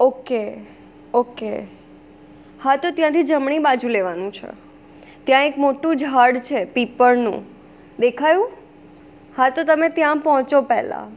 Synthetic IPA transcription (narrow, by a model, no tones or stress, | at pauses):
oke | oke | hat̪ot̪jãt̪ʰid͡ʒəmɳibad͡ʒũleʋanũt͡ʃʰḛ | t̪jãekmoʈũd͡ʒʱaɽt͡ʃʰepipəɾnṵ̃ | d̪ekʰajũ | hat̪ot̪əmet̪jãpɔɦɔ̃t͡ʃopɛ̰ɦla̰